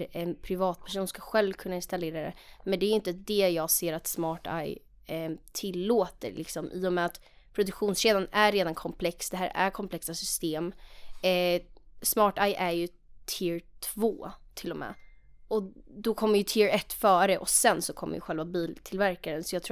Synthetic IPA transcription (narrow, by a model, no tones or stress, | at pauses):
ɛnpʰɾɪvɑːt̪̚pʰæʂ̬uːnskaɧɛlvkʰɵnːaɪnst̪aleːɾad̪ɛ̰mɛnd̪ɛæɾjʏʏnt̪əd̪ɛjɑːɡseːɾat̪smɑːʈa̰j | t̪ʰɪlːoːt̪ə̰ɾlʔɪ̰ksɔmʔiːɔmɛat̪ | pʰɾʊd̪ɵkɧuːnsɕeːd̪anæɾːeːd̪ankʰɔmpʰlɛksd̪ɛɦæːɾʔæ̰ɾkʰɔmpʰlɛksasʏst̪eːm | smɑːʈajʔæɾjɵ | t̪ʰɪɾt̪ʰvoːt̪ʰɪlːɔmɛ̰ː | ɔd̪ɔkʰɔmːəɾjɵt̪ʰɪɾɛt̪ːfœːɾəʔɔsɛnsɔkʰɔmːə̰jə̰ɧɛlvabiːlt̪ʰɪlvæɾkaɾənsɔjɑɡt̪ʰɾ